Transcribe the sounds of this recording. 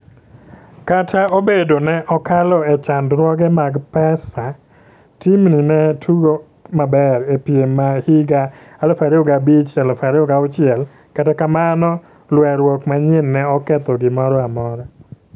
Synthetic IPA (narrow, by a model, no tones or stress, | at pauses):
katʰaobedonɛʔɔkalɔɛt͡ʃandɾwɔɡɛmaɡpɛsa | timninɛtʰuɡo | mabɛɾepjemːahiɡa | alɔfaɾioɡabit͡ʃalɔfaɾɪoɡaʊt͡ʃɪɛl | katɛkamanɔ | lwɛɾwɔkmaɲɪnːɛɔkɛt̪ɔɡɪmɔɾɔamɔɾɔ